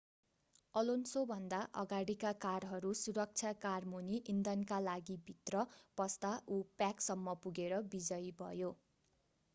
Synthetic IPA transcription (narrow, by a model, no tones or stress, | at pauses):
ʌlonsobʱʌnd̪aʔʌɡaɽikakarɦʌɾusuɾʌk̚t͡sʰjakarmuniʔind̪ʌnkalaɡibʱit̪rʌpʌst̪aʔupjaksʌmːʌpuɡeɾʌbid͡zʌjbʱʌ̰jo